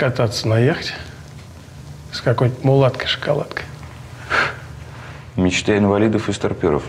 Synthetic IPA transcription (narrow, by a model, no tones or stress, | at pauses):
kat̪at̪sənajexə̥tʲ | skakojt̪mʊlˠat̪kəjʂə̥kalˠa̰t̪kə̥j | mʲɪt͡ɕt̪aɪnvalʲid̪əfɨst̪arpʲoɾə̰f